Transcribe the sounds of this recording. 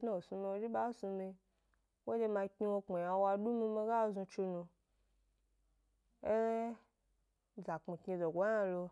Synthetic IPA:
na˦o˨su˧mi˧wo˧˦d͡ʒi˦ɓa˦su˧mi˧ | wo˦d͡ʒe˧mã˧kʲi˧wo˧k͡po˨ja˧wa˧du˦mi˧mi˧ɡa˦˨zũ˧t͡ʃi˧nũ˧ | e˦ | za˨k͡pi˨ki˧zo˨ɡʷa˨˦a˧lo˧

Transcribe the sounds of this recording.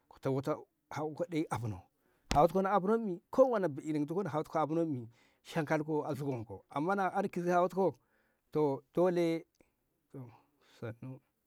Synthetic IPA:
ko̥˨ta˨wo˦ta˦ | ha˨˦ko˦de˦i˦ʔa˨bu˨no̰˨ | ha˨wu˦ko˦na˨a˨bu˦no˦mi˨kʰo˦wa˨na˨bi˨i˨ni˨ŋ˨tu˦ko˦na˨a˨wu˦tko˦a˨bu˦no˦mi˨ | ʃa˦ŋka˦lko˦a˨zu˦ɡo˨ko̰˨a̰˨mːa˦na˨a˦n˦ki˨zi˦ha˨wu˦tko˦ | to˨d̥o˦le˦ | to˨ | sa˨nu˦

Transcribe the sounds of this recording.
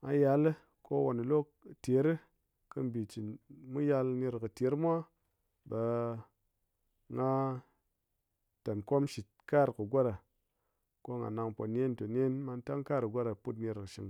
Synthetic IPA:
a˧ja˧lɨ˦ | ko˦wo˨nɨ˨lo˦˨ | te˨˦ɾɨ˦ | kɨ˦m˦bi˨t͡ʃi˨nmu˦ja˧lne˧ɾkɨ˨te˨˦ɾmʷ˦a˦ | ba˧ | ŋa˦ | ta˨nko˦mʃi˨t̚ka˦˨ɾkɨ˨ɡʷa˦ɾa˨ | ko˦ŋɡa̰˨na˧ŋpo̰˨nʲ˦e˦nto˨n˦e˦nma˧n˦ta˦ŋka˦ɾɨ˨ɡʷa˦ɾa˨pu˦t̬ne˧ɾkɨ˨ʃi˨ŋ

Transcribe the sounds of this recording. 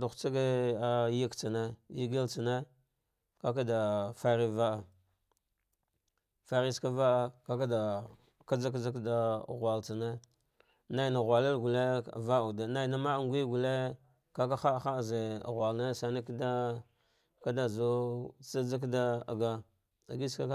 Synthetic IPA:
da˨xʷt͡sa˦ɡe˦a˨ji˦kt͡sa˨ne˦ji˦ɡe˦lt͡sa˨ne˦ | ka˦k̬a˦da˨fa˦ɾi˦va˦a˨ | fa˨ɾi˦ska˦va˦a˦ka˦k̬a˦da˨ | ka˦d͡za˦k̬d͡za˦kda˦˨ɣwa˨lt͡sa˨ne˦ | na˦i˨na˨ɣʷa˨la˦lɡu˨le˦˨va˦u˨da˨na˦i˨na˦ma˦˨ŋɡʷi˦ɡu˨le˦ | ka˦k̬a˦xa˦˨xa˦˨ze˨ɣwa˨lne˦sa˨na˦kda˦ | ka˦da˨zo˦t͡sa˦d͡za˦k̬da˦a̰˨ɡa˦ | a˨ɡi˦ska˦

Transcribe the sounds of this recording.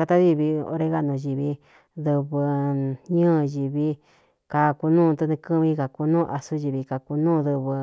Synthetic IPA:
ka˧t̪a˦ði˧βi˧o̰˧ɾe˧˦ɣa˦ʔnũ˨˧˨ʒi˨βi˧ | ðɨ˧βɨ˧ɲɨ̃ː˦˨ʒi˨βi˧ | ka˧ku˧nũː˦˨˧t̪u˧nĩ˧kɨ˦βĩ˧˦ka˨ku˧nũː˦˧ʔa˧su˦ʒi˧βi˧ka˧ku˧nũː˦˧ðɨ˧βɨ˧

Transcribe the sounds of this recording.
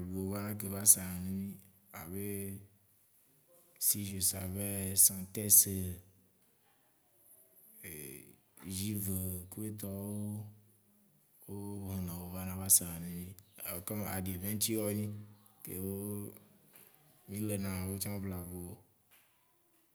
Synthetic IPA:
bo˨o˨va˦nã˦k̬e˨va˦sa˨nẽ˦nĩ˦ | a̰˨βe˦ | si˦ʒe˨sa̰˨βe˦sã˨t̪ɛ˦se˨ | ʒi˦ve˨ku˦e˦t̪̬ɔ˦wo˦ | wo˦ɦɔ̃˨nã˨wo˨va˦nã˦βa˦sa˨nẽ˨nĩ˦a˨kɔ˦me˨ʔa˨ɖe˨vẽ˦ŋ˦t͡ʃ̪i˦wɔ˦ɲĩ˦kḛ˨wo˦ | mĩ˦le˨nã˨wo˦t͡ʃã˦bla˨vo˨o˦

